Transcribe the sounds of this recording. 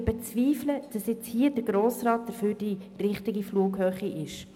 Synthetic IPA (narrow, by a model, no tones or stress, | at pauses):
bɛt͡sviːfləd̥ɑsjɛt͡shiːədəɾɡɾoːsrɑːt̚d̥əɾføːɾd̥i | rɪχtɪɡifluːkɦœːχiʔɪʃ